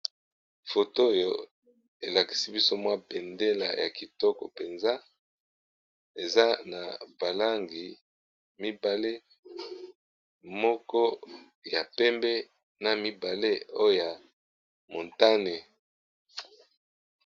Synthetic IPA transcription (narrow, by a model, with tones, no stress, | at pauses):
fo˨to˦˨jo˨ | e˨la˨ki̥˨si˦bi˦so˦mwa˦be˨nde˦la̰˨ja̰˨ki˨tɔ˦kɔ̰˨pe˨nza˦ | e˨za˦na̰˨ba˨la˦ŋɡi˨ | mi˦ba˨le˦ | mɔ˦kɔ˦ | ja˨pɛ˦mbɛ˦ | na˨mi˦ba˨le˦o˦o˦ja˨ | mo˨nta˦ne˨